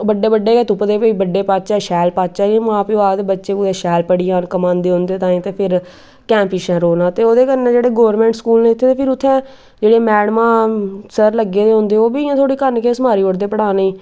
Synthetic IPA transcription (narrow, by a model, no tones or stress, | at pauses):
bəɖeːbəɖːeːɛːt̪ʊpd̪eːpoiːbəɖeːpaːt̪t͡ʃɛːʃɛːlpaːt͡ʃɛːẽmãːpioaːd̪eːbətːʃeːuːd̪eːʃɛːlpəɽiːaːnkəmãːnd̪eːɦʊ̃nd̪eːt̪ãːĩːt̪eːpʰɪɾ | kɛ̃ːmpiːʃɛ̃ːɾoːnãːt̪eːoːd̪eːkəɾnẽːd͡ʒeːɽeːɡoːɾmɛ̃ːɳʈskuːlneːɪt̪ʰːeːt̪eːpʰɪɾʊt̪ʰːẽː | d͡ʒeːɽeːmɛːɽmãːsəɾləɡeːd̪eːɦʊ̃nd̪eːoːbiːãːt̪ʰoːɽiːkəɾnkeːsəmaːɾiːəɽd̪eːpəɽaːneː